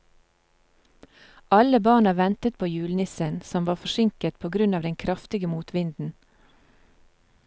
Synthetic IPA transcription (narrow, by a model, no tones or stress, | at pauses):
ʔɑləbɑːɳəʋɛnt̪ət̪̚pʰoːjʉːlnɪsənsɔmʋɑːfɔʃɪŋkət̪pʰoːɡɾʉnɑːʋd̪ɛŋkʰɾɑft̪ɪɡəmuːt̪ʋɪnd̪n̩